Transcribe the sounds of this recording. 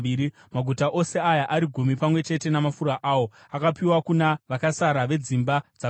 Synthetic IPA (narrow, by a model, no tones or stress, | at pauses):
ii | maɡʱutaʔo̞se̞ajaʔaɾiɡʱumipamwe̞t͡ʃe̞te̞namafuɾaʔaːwo̞ | akapiwakunaʋakasaɾaʋe̞d͡zimbad͡za